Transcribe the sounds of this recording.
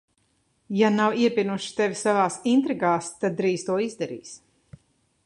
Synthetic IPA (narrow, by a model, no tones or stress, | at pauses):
janawiɛpʲinuʃi̥t̪evʲisavaːsint̪ɾiɡaːst̪ad̪̚ːɾiːst̪uɔizd̪ɛɾḭːs